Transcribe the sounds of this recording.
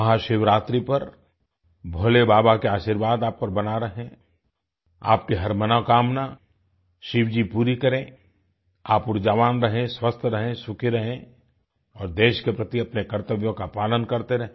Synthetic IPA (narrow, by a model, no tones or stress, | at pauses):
ɐɦaʃɪʋɾaːt̪ɾipɐɾ | bʱolebaːbakeaːʃiɾʋaːd̪aːp̚kɐɾbɐnaɾɐɦẽ | a̰ːp̚kiɦɐɾmɐnakaːmna | ʃɪʋd͡ʒipuːɾikɐɾẽ | aːpʊɾd͡ʒaːʋaːnɾɐɦẽswɐst̪ʰɾɐɦẽsʊkeɾɐɦẽ | ɔːɾd̪eːʃkepɾɐt̪iɐpnekɐɾt̪əʋjõkapaːlənkɐɾt̪eɾɐɦẽ